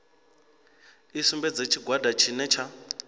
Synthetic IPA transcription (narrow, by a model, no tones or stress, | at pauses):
isumbɛd͡zet͡ʃʰiɡʱwadʱat͡ʃʰinɛt͡ʃʰa